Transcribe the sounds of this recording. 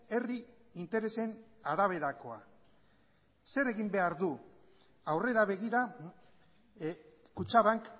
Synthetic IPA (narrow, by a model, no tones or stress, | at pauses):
e̞ri | int̪e̞ɾe̞se̞naɾaβ̞e̞ɾako̞a | se̞ɾe̞ɣimbe̞aɾðu | awre̞ɾaβ̞e̞ɣ̞iɾa | kut͡ʃaβaŋk